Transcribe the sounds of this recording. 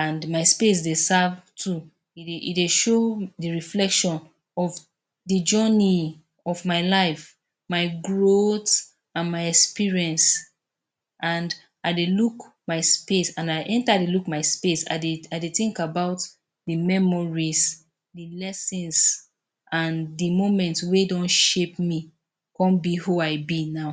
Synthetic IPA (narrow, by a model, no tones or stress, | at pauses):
ãndmaɪspes̬desavtʰu | iḭdeʃoðəɹiflɛkʃɔ̃n | ɔv | ðəd͡ʒɜni | ɔvmaɪlaɪf | maɪɡɹot | ãnmaɪɛkspiɹiɛ̃ns | ʔãnd | aɪdelukmaɪspesãnaɪʔɛ̃ntadelukmaɪspesa̰ɪdeaɪdeθĩŋkabaʊt | ðɨmɛmɔɹis | dɨlɛsĩns | ʔãndəmõmɛ̃ntswedɔ̃nʃep̚mi | kɔ̃nbihuaɪbinaʊ